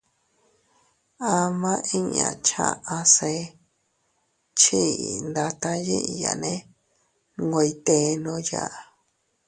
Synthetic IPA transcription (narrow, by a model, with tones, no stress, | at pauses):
a˧mã˦ʔĩ˦ɲã̰˨t͡ʃã̰˧˨ʔã˧se˧ | t͡ʃi˦˨nd̪a˧t̪a˧jḭ̃˦ʔi˧ja̰˨nẽ˦ | ŋɡʷe˧i˧t̪e˧nõ˧ja˦˨